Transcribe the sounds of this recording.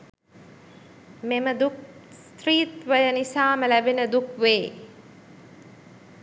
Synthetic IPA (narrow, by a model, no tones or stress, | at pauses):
meməd̪uk̚ | st̪ɾiːt̪ʋəjənisaːməlæbenəd̪ukʋeː